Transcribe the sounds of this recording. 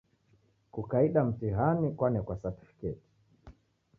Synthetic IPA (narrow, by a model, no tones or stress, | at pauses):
kukaiɗam̩tiɦanikwanɛkwasatu̥fi̥kɛti̥